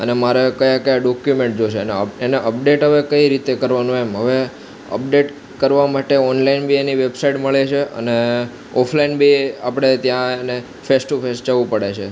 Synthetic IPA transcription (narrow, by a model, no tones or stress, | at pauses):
ə̰nemaɾekəjakəjaɖɔkjumẽɳʈ̚d͡ʒoʃʰeneəeneʔəp̚ɖeʈɦəʋekəiɾit̪ekəɾʋanũemɦəʋe | ə̰p̚ɖeʈ | kəɾʋamaʈeɔnlainbʱieniʋebsaiʈməɭet͡ʃʰeə̰ne | ɔpʰlainbʱiapəɽ̃et̪jãne | fʰesʈufʰesʈ̚d͡ʒəʋũpəɽet͡ʃʰe